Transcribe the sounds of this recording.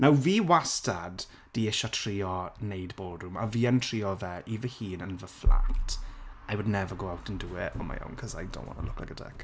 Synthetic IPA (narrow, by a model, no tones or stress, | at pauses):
nawviːwastad | d̥iɪʃɔtʰr̥iːɔnejdboːdrʊma̰viːəntʰr̥iːɔvɛʔivəhiːnənvəfla̰ŋtʰajwʊdnɛvəɡowawtʰənduːɪʔɔma̰ja̰ŋkʰɔzajdɔ̰wɔ̰nə̰nlʊkʰla̰kədɛ̰k